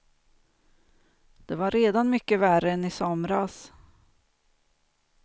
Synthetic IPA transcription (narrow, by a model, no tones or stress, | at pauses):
d̪̥ɛvaɾeːd̪anmʏkːəværəɛnɪsɔmɾas